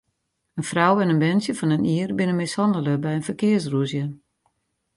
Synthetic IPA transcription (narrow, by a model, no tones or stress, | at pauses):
ənfrawɛnənbɛnsjəfɔnəniərbɪnənmɪshɑndələbɛjənfərkɪərsruəzjə